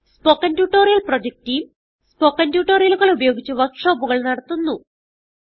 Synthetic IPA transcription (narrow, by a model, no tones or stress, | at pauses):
spokːɐntjuʈːo̞ːɾijɐlprod͡ʑek̚tijum | spoːkːɐntjuːʈːo̞ːrijɐluɣɐɭubɐjo̞ːɡit͡ɕːuʋɐʂoːbuɣɐɭnɐɽɐt̪ːunːu